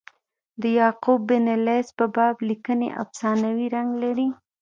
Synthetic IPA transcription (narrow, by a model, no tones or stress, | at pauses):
d̪əjɑqubːɪnalespəbɑblikənḛʔa̰wsɑnawiɾaŋɡlaɾi